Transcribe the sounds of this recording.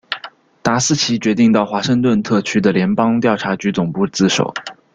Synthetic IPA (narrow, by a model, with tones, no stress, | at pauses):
t̪a˧˥sɹ̩˥˩t͡ɕʰi˧˥t͡ɕɥɛ˧˥t̪i˥˧ŋt̪ɑ˥˩ʊxwa˧˥ʂə˥˧ŋt̪̬wə˥˧nt̪ʰɤ˥˩t͡ɕʰy˥d̪ə˨ljɛ˧˥npɑ˥ŋt̪̬jɑ˥˩ʊʈ͡ʂʰa˧˥t͡ɕy˧˥t͡sʊ˨˩ŋpu˥˧t͡sɹ̩˥˩ʂo̰˨˩˦ʊ